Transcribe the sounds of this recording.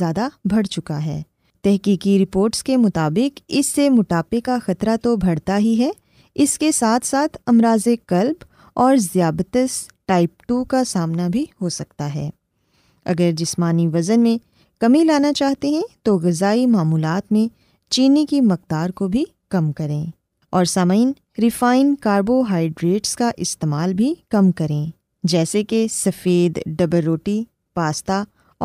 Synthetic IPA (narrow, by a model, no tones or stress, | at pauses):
jaːd̪abʱɐɽt͡ʃʊkaɦɛ̰ː | t̪ɛɦkiːkiɾɪpoːɾʈskemʊt̪aːbɪkɪsːemʊʈaːpekaxɐt̪ɾat̪obʱɐɽt̪aɦiɦɛ | ɪskesaːt̪ʰsaːt̪ʰɐmɾaːzekɐlb | ɔːɾzjaːbt̪əsʈaːɪp̚ʈukasaːmnabʱihosɐk̚t̪aɦɛ̰ː | ɐ̰ɡəɾd͡ʒɪsmaːniʋɐzənmẽ | kɐmilaːnat͡ʃaːɦt̪eɦɛ̃t̪oɣɐzaːimaːmuːlaːt̪mẽ | t͡ʃiːnikimɐq̚d̪aːɾkobʱi | kɐmkɐɾẽː | ɔːɾsaːmaɪn | ɾɪfaːɪnkaːɾboɦaːɪɖɾeːʈskaʔɪst̪eːmaːlbʱikɐmkɐɾẽ | d͡ʒɛːsekesɐfeːd̪ɖɐbəɾoːʈi | paːst̪aː